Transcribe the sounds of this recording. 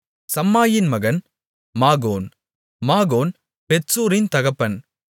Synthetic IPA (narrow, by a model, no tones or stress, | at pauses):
sɐmːaːjɪnmɐɣɐn | maːɣoːn | maːɣoːn | pɛʈsuːɾɪnt̪ɐɣɐpːɐn